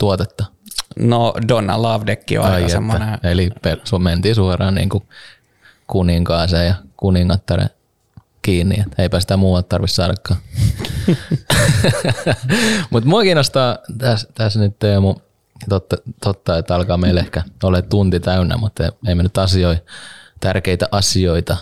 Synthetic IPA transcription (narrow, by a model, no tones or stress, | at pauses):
t̪uot̪et̪ːɑnodonːɑ̰lɑʋdekːḭo̰ɑseetmːoːæneelipelsument̪iːsuorɑːnnḭːŋku | kuniŋkɑːsejɑkuniŋkɑt̪ːɑrḛ | kiːnːḭet̪eipæsi̥t̪æmuːʋɑlt̪t̪ɑrʋissɑːdɑkːɑː | mut̪muɑkiːnost̪ɑːt̪æst̪æsnyt̪temu | t̪ot̪ːɑt̪ot̪ːɑet̪ːɑlkɑːmeilehkæolett̪unt̪it̪æynːæ̰mut̪ːeieimenyt̪ɑsioit̪ærkeit̪æʔɑsioit̪ɑ